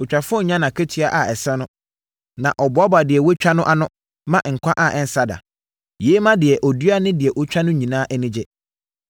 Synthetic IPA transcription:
ɔ˨t͡ɕᶣa˨fʊ˦ɔ˦ɲã˦nã˨kʰe˦tʰi˦a˦ʔa˨ɛ˨sɛ˦nʊ̃˦ | nã˨ʔɔ˨ba˦ba˨dɪ˨ɛ˨wɛ˦t͡ɕᶣa˦nʊ̃˦ʔa˦nʊ̃˦ | mã˦ʔŋ̩˨kʷʰã˦ʔa˨ʔɛ˨n̩˦sa˦da̰˨ | jeː˨˦mã˦dɪ˨ɛ˨ʔɔ˨du˦a˦nɪ̃˦dɪ˨ɛ˨ʔɔ˦t͡ɕᶣa˦nʊ̃˦ɲĩ˨nãː˦ʔɛ˦nɪ̃˦d͡ʑɛ˦

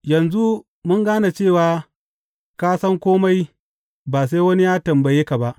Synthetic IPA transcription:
jɐ˨nzu˦ | mʊ˦ŋɡaː˦na˨t͡ʃeː˦˨waː˨ | kaː˦sɐ˦ŋkʷoː˦ma˦j | baː˨s̬a˦jwɐ˦ni˦jaː˦tɐ˨mbɐ˨jeː˦ka˨ba˦ʔ

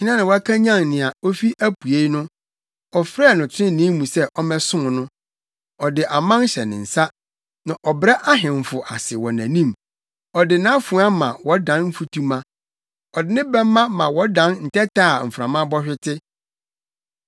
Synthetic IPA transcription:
t͡ɕʰɪ˦nã˦nã˨wɔ˨˦a˦kʰa˦ɲã˦˨ŋnɪ̃˨a˨o˦fi˦ʔæ˦pʰu˨e˦nʊ̃˦ | ɔ˨fɾɛ˦˨nʊ̃˨t͡ɕʰɪ˦ɪ̃˦nĩ˦mũ˨sɛ˦ʔɔ˦mɛ̃˦sʊ̃˦˨nʊ̃˦ | ɔ˨dɪ˨ʔa˨mã˦n˦ɕɛ˨nɪ̰̃˨n̩˨sa˦ | nã˨ʔɔ˨bɾɛ˦ʔa˦ɦɪ̃˨ɱ˨fʊ˨ʔa˨sɪ˨wɔ˨næ̃˨nĩ˦m | ɔ˨dɪ˨nã˦fũ˨˦a˦mã̰˨wɔ˦dã˨nm̩˦fu˦tʰu˦mã˦ | ɔ˨dɪ˨˦nɪ̃˦bɛ˦m˦mːã˦mã˨wɔ˦dã˦n˦n̩˨tʰɛ˦tʰaː˦˨m̩˨fɾã̰˨mã˦bɔ˦ɕᶣɪ˦tʰɪ˦

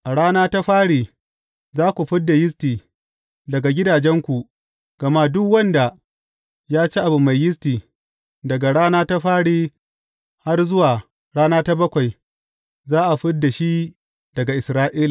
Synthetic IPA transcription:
ʔa˨ɽaː˦naː˦ta˦ɸaː˦ɽiː˨ | zaː˦kʷu˨ɸɪ˦dːa˨jɪ˦s̬tiː˨ | dɐ˨ɡa˨ɡʲɪ˦daː˨d͡ʒɛ˦ŋkʷu˨ | ɡ̥ɐ˨ma˦dʊ˦kwɐ˦nda˨ | jaː˦t͡ʃiː˦ʔa˨bu˨ma˨jːɪ˦s̬tiː˨ | dɐ˨ɡa˨ɽaː˦naː˦ta˦ɸaː˦ɽiː˦ | ha˦rzʊ˦waː˨ | ɽaː˦naː˦ta˦bɐ˦kʷa˨j | zaː˦ʔa˨ɸɪ˦dːa˨ʃi˦ | dɐ˨ɡa˨ʔɪ˨sɾaː˦ʔiː˦la˨

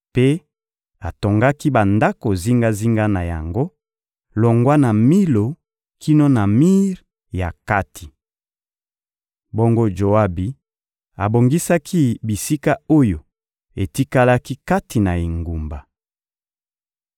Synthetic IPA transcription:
pe˦ | a˨to˨ŋɡa˦ki˦ba˨nda˦ko˨zi˦ŋɡa˦zi˦ŋɡa˦na˨ja̰˨ŋɡo˦ | lo˨ŋɡwa˦na˨mi˦lo˨ | kʰi˦no˦na˨mi˦ʁ | ja˨ka˦tʰi̥˨ | bo˦ŋɡo˦d͡ʒo˨a˦bi˨ | a˨bo˨ŋɡi˦sa˦kʰi˦bi˨si˦ka˦o˦jo˨ | e˨ti˦ka˦la˦ki˦ka˦ti˨na˨i˨ŋɡu˨mba˨

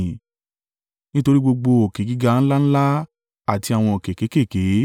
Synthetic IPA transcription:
nĩ˦to˧ɾi˦ɡ͡bo˧ɡ͡bo˧o˨ke˨ɡi˦ɡa˦˧ñ̩˦la˦ñ̩˦la˦ | a˦˨ti˧a˨w̃ɔ̃˧o˨ke˨ke˨˦ke˦˨ke˨˦

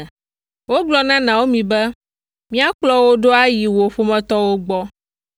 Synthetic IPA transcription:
wo˦ɡ͡blɔ˦nã˦nã˨wo˦mĩ˨bɛ˦ | mĩ˦a˦k͡plɔ˦wo˦ɖo˦a˦ji˨wo˨ɸo˦mɛ̃˦t̪ɔ˦wo˦ɡ͡bɔ˦

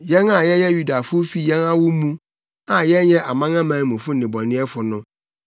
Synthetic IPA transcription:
jɛ˦nã˨jɛ˦jɛ˦ju˨da˨fʊ˦o˦fi˨jɛ̃˦nã˦wʊ˦mũ˦ | ã˨jɛ˦njɛ˦ʔa˨mã˦ŋã˦mãː˨˦˨mũ˨fʊ˦n̩˨nɪ̃˨bɔ˨nɪ̃˦ɛ˦fʊ˨nʊ̃˦

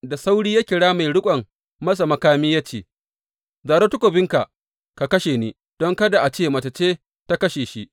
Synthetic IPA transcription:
da˨sa˦wɽiː˦ja˦kʲɪ˨ɽaː˦ma˨jɽʊ˦kʷʼɐ˨ŋ | mɐ˦s̬a˨mɐ˦kaː˦miː˦ja˦t͡ʃeː˦˨ | zaː˨ɾo˦tʊ˦kʷo˨bɪ˦ŋka˨ʔ | ka˨kɐ˦ʃeː˨niː˦ | d̥ɔ˦ŋkɐ˦da˨ʔa˨t͡ʃeː˦˨mɐ˨t͡ʃɐ˨t͡ʃeː˦ | ta˦kɐ˦ʃeː˨ʃi˦ʔ

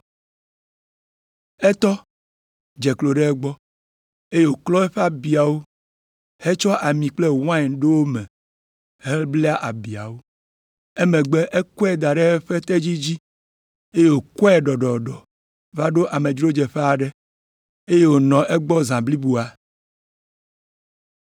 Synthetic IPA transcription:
ɛ˦t̪ɔ˦ | d͡ʒɛ˨klo˨ɖe˦ɛ˦ɡ͡bɔ˦ | e˦je˦wo˨klɔ˦ɛ˦ɸe˦a˨bi˨a˨wo˦ | he˦t͡ʃɔ˦ʔa˨mĩ˨k͡ple˦wã˦˨ɖe˦wo˦mɛ̃˨ | hɛ˦lblɛ˦a˦ʔa˨bi˨a̰˨wo˦ | ɛ˦mẽ˨ɡ͡bɛ˦ʔɛ˦kɔ˦ɛ˦˨d̪a˨ɖɛ˦ɛ˦ɸɛ˦t̪ɛ˦d͡ʑi˦d͡ʑi˦ | e˦je˦wo˨kɔ˦ɛ˨ɖɔ˨ɖɔ˨ɖɔ˨ | va˦ɖo˦ʔa˨mẽ˨d͡ʒɾo˦d͡ʒɛ˨ɸe˦a˨ɖɛ˦ | e˦je˦wo˨nɔ̃˨ʔɛ˦ɡ͡bɔ˦zã˨bli˦bu˨a˨

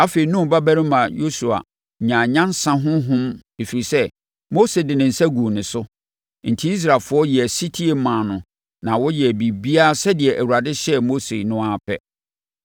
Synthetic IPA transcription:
a˦fe˨i˨˦nũ˦m˨ba˦bæ˦ɾɪ̃˦mã˨jo˦su˨a̰˨ | ɲã˨ɲã˦n˦sã˦ɦʊ̃˦ɦʊ̃˦me˨fi˨ɾi˨sɛ˦ | mo˦se˨dɪ˨nɪ̃˨n̩˨sɛ˦ɡu˨nɪ̃˨sʊ˦ | n̩˨tʰi˦i˦s̬ɾa˨lfʊ˨˦ɔ˦jɛ˨æ˨si˦tʰi˦e˨mã˨nʊ̃˨ | nã˨wɔ˦jɛ˨bi˨bi˦a˦sɛ˦dɪ˨ɛ˨ʔæ˨wu˨ɾa˨dɪ˦ɕɛ˦mo˦se˨nʊ̃˦a˦˨pʰɛ̰˦

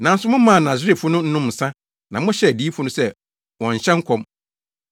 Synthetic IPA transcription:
nã˨˦n̩˦sʊ˨˦mʊ̃˦mã˦˨nã˨sɪ˦ɾi˦˨fʊ˦nʊ̃˦n̩˦nʊ̃˦m̩˨sã˦ | nã˨mʊ̃˦ɕɛ˦˨di˦fʊ˦nʊ̃˦sɛ˦ | wɔ̃˨ɲ˨ɕɛ̃˦ŋ̩˦kʰɔ̃˦m

